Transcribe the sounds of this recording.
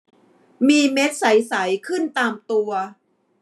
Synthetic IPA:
miː˧me˦˥t̪̚sa˩˦jsa˩˦jkʰɯ˥˩nt̪aː˧mt̪u˧ɐ

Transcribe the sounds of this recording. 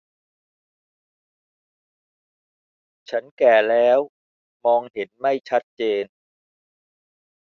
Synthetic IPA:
t͡ɕʰa˦˥nkɛː˨˩lɛː˦˥w | mɔː˧ŋhe˩˦nma˥˩jt͡ɕʰa˦˥t̪̚t͡ɕeː˧n

